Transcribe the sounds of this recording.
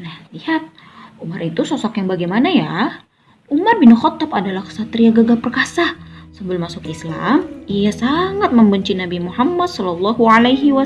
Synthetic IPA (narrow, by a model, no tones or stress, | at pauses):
nahlihat̪̚ | umarit̪usɔsɔkjaŋbaɡajmanaja | umarbɪnxɔt̪ːɔpadalahsat̪ɾiaɡaɡapərkasasəmbɪlmasʊkisla̰mijasaŋat̪̚məmbəɲt͡ʃinabimuhamːad̪̚sɔlɔlˠːɔɦualajɦiwa